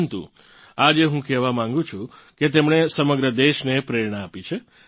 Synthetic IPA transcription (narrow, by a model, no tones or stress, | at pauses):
nt̪ṵ̃ | ad͡ʒeɦũkɛʋamãŋɡũt͡ʃʰũ | ket̪emɳesəməɡɾəd̪eʃnepɾeɾɳaapit͡ʃʰe